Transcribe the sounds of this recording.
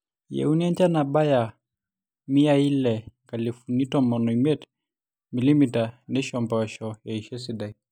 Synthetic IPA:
jɛ̰uniɛnt͡ʃanabaja | miailɛŋkalifunitɔmɔnɔimɛt | milimitanɛʃɔmbaʃɔjɛiʃɛsidai

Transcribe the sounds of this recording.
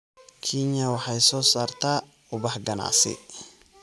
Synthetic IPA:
kʰiɲɐwɑħɑjsɔːsaːrt̪ʰaː | ʊbɐħɡɐna̰ːsɪ̰

